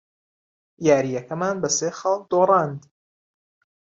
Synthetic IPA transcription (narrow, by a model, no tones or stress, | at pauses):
jaːɾijɐkɐmaːnbɐseːxɐlˠk̚d̪oːrˤɑːnd̪